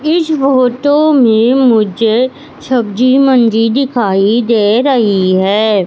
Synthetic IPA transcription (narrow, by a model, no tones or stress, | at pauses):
ɪsfoːʈõmẽmʊd͡ʒe | ʃəbd͡ʒiːmənd͡ʒid̪ɪkʰaːid̪eːɾəɦiɦɛː